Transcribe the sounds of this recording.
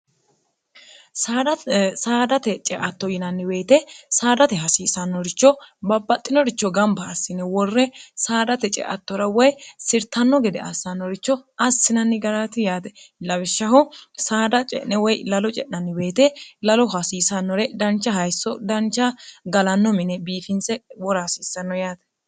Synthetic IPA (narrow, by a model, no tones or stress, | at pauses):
s | saːd̪ɐt̪ɛt͡ʃʼɛʔɐt̪ːɔjɪnɐnːɪbe̞ːt̪ɛsaːd̪ɐt̪ɛɦɐsiːsɐnːɔɾɪt͡ʃːɔbɐbːɐt̪ʼːɪnɔɾɪt͡ʃːɔɡɐmbɐːsːɪnɛwɔrːɛsaːd̪ɐt̪ɛt͡ʃʼɛ̰ʔɐt̪ːɔɾɐwɔjsɪɾt̪ɐnːɔɡɛd̪ɛ̰ɐsːɐnːɔɾɪt͡ʃːɔɐsːɪnɐnːɪɡɐɾɐt̪ɪjaːt̪ɛlɐwɪʃːɐhɔsaːd̪ɐt͡ʃʼɛ̰ʔnɛwɔjlɐlɔt͡ʃʼɛʔnɐnːɪweːt̪ɛlɐlɔɦɐsiːsɐnːɔɾɛd̪ɐnt͡ʃːɐɦɐjsːɔd̪ɐnt͡ʃːɐɡɐlɐnːɔmɪnɛbiːfɪnsɛwɔɾasiːsɐnːɔjaːt̪ɛ̥